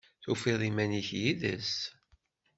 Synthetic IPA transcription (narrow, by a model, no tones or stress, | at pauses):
θufiðˤimæniçjiðə̰s